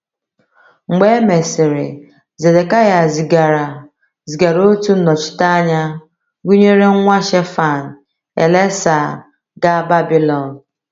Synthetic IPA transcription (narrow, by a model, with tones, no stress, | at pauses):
ŋ͡m̩˨ɡ͡be˦me˨sɪ˨ɾɪ̰˨ | ze˨de˨ka˦ja˨zi˨ɡa˨ɾa˨ | zi˨ɡa˨ɾo˦tu˦nɔ˨t͡ʃɪ̥˨˦ta˦a˦ɲa˦ | ɡu˦ɲe˦ɾe˦ŋ̩˦ŋʷa˦ʃe˦fa˨n̩˨ | ḛ˨le˦sa˨ | ɡa˦ba˦bi˦lɔ˨n˨